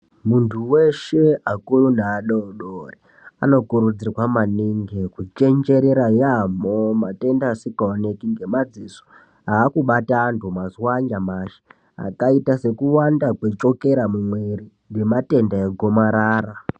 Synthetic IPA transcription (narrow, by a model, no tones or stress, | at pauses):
muntʰuwe̞ʃe̞akurunaːɗooɗori | ano̞kuɾud͡zirrwamaniŋɡekut͡ʃe̞nd͡ʒe̞ɾe̞ɾajamomate̞ndaːsikaone̞kiŋɡe̞mad͡ziso̥ | aːkuɓataːntʰumaziwaɲɡamaʃe̥ | a̰kaitase̞kuwandakwe̞t͡ʃo̞ke̞ɾamumwe̞ri | ŋɡe̞mate̞ndaeɡʱo̞maɾaːra